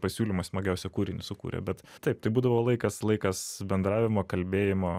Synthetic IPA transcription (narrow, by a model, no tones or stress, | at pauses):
pɐsʲuːlʲimɐsmɐɡʲɛʊsʲɛkuːɾʲɪnʲɪsʊkṵːɾʲɛ̰bʲɛt̪ | t̪ɐɪpt̪ɐɪbuːd̪ɐʋoːlˠɐɪkɐslˠɐɪkɐsbʲɛnd̪ɾɑːʋʲɪmoːkɐlʲbʲeːjɪmoː